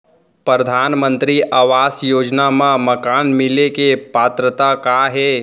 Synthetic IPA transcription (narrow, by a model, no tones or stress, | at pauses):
pɾɾəd̪ʱaːnmə̃nt̪ɾiʔaːʋaːsjoːd͡ʒnamãmɐkaːnmɪlekepaːt̪ɾət̪akaːɦɛː